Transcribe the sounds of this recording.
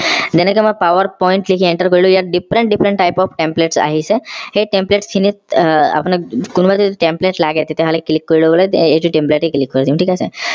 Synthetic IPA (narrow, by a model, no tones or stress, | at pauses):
d͡ʑ̪enekemə̃paʋəɾpɔiɳʈlikʰiẽɳʈəɾkəɾilujaɾɖifɾə̃ɳʈ̚ɖifɾəɳʈːajpɔfʰʈẽmpleʈsa̰ɦiseɦeʈẽmpleʈskʰinit̪a̰pnəkunbat̪iʈẽmpleʈlaɡet̪et̪eɦaleklikːoɾloɡlet̪eʈiʈẽmpleʈiklikːəɾt̪iũʈʰikasḛ